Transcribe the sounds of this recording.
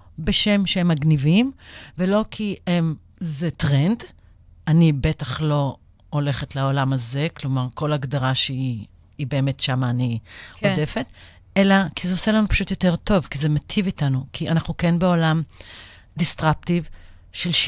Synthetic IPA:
beʃe̞mʃeemːaɡnivimve̞lo̞kʰiem | zetʁend | anibe̞taχlo̞ | ole̞χetlaolamaze̞klo̞maʁko̞laɡdaʁaʃei | ibeːme̞tʃamaːniode̞fe̞t | elakizeose̞lanupḁʃutjo̞te̞ʁto̞vkizemetʰivitanukʰianaχnukenbeo̞lam | distʁap̚tiv | ʃel

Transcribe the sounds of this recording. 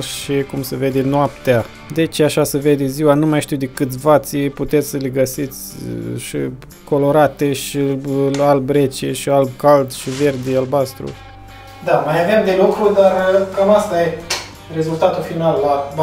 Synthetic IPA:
ʃikumseve̞d̪enoap̚t̪ea | d̪et͡ʃaʃaseve̞d̪e̞ziwanumajʃt̪iwd̪ekɨt̪ʲvat̪siput̪e̞t̪sʲsəleɡəsit̪sʲʃḭ | ko̞lo̞ɾat̪e̞ʃialbɾe̞t͡ʃeʃialb̚kald̪ʃive̞rd̪ealbast̪ɾṵ | d̪amajaveamd̪e̞lukɾud̪arəkamast̪aje | re̞zult̪at̪ulfinalːa

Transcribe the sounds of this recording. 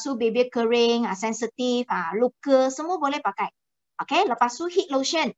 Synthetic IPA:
subebekəɹɪ̃ŋasɛ̃nsit̪ifalukəsəmuəbolepakaj | ʔokeləpasuɦit̚loʃə̃n

